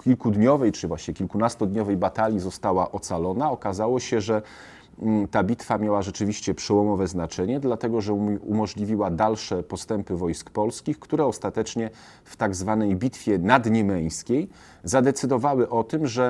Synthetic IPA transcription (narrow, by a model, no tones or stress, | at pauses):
kʲilkud̪ɲɔvɛjt͡ʂɘvwaɕɲɛkʲilkunast̪ɔd̪ɲɔvɛjbat̪alʲjizɔst̪awaʔɔt̪salɔnaɔkazawɔɕɛʐɛ | t̪abʲit̪famʲjawaʐɛt͡ʂɘvʲiɕt͡ɕɛpʂɛwɔmɔvɛznat͡ʂɛɲɛd̪lat̪ɛɡɔʐɛumɔʐlʲivʲiwad̪alʂɛpɔst̪ɛmpɘvɔjskpɔlskʲixkt̪uɾɛɔst̪at̪ɛt͡ʂɲɛ | ft̪aɡzvanɛjbʲit̪fʲjɛnad̪ɲɛmɛj̃skʲej | zad̪ɛt̪sɘd̪ɔvawɘʔɔt̪ɘmʐɛ